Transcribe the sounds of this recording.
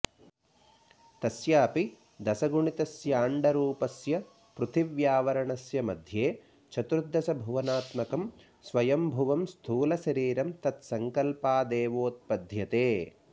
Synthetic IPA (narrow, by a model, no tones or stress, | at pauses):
t̪ɐsjɐːpi | d̪ɐsɐɡuɳit̪ɐsjaːɳɖɐɾuːpɐsjɐ | pɾut̪ʰiʋjaːʋɐɾɐɳɐsjɐmɐd̪ʱjeː | t͡ʃʰɐt̪ɾud̪ːɐsɐbʱuʋɐnaːt̪mɐkɐm | sʋɐjɐmbʱuʋɐmst̪ʰuːlɐʃɐɾiːɾɐmt̪ɐt̪sɐŋkɐlpaːd̪eːʋoːt̪̚pɐd̪ʱjɐt̪eː